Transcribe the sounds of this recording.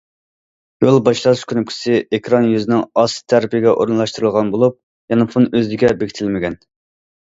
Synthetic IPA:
jolˠbɑʃlˠɑɾɨʃkʰʲynyp̚ʲkʰʲi̥sɪekʰɾɑnjyzɪnɪŋɑst̪ʰæɾpʰiɪɡʲɛʔo̰ɾɨnlˠɑʃt̪uɾɨlˠʁɑnbolˠup̚ | jɑnɨpʰunøzɪɡʲɛbekʲi̥t̪ʰɪlmɪɡʲɛn

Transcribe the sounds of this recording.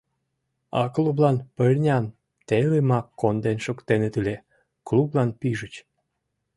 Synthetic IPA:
ɑ̰klublɑnpəlʲnʲɑn | t̪elemɑkːond̪enʃokt̪enet̪ile | klublɑnpiʒət͡ɕ

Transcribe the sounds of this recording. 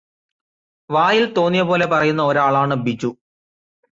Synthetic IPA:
ʋaːjilt̪o̞ːnːijɐpo̞ːle̞pɐrɐjunːɐoɾaːɭaːɳɨbit͡ɕːu

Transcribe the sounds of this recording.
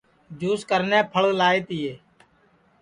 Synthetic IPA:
d͡ʒuːskəɾnɛ̃ːpʰəɭlaːeːt̪ɪːjeː

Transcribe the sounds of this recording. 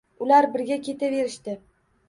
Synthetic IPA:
ʊlaɾbɪɾɡʲakʲe̞t̪ʰave̞ɾɪʃt̪ɪ

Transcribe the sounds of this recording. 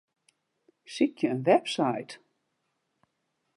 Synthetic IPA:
sicjəːnvɛpsajt̪

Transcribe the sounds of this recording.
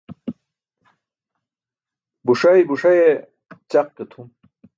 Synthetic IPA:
buʂɐjbuʂɐje | t͡ɕaqːet̪ʰum

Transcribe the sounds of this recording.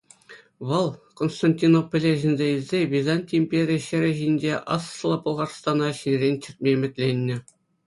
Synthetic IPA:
ʋɤlˠkonst̪ɑnʲtʲinopːŏlʲeʑinʲzʲeilʲzʲeʋʲizɑnʲtʲiimʲpʲeɾʲiɕɘ̆ɾʲɘʑinʲd͡ʑʲeʔɑ̰slˠɑpŏlˠʁɑrst̪ɑnɑɕinʲrʲenʲt͡ɕɘ̆rʲt̪̚ʲmʲemʲɘ̆tʲlʲenʲːɘ̆

